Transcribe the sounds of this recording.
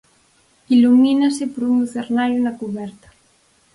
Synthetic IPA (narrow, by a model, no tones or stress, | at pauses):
iluminasɪpoɾuŋuθeɾnajunakuβɛɾt̪ḁ